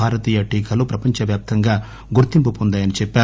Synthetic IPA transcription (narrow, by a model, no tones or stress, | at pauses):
aːɾɐt̪iːjɐʈiːkʰɐlupɾɐpɐɲt͡ʃɐʋjaːp̚t̪ɐŋɡaː | ɡuɾt̪impupond̪aːjɐnit͡ʃɛpːaː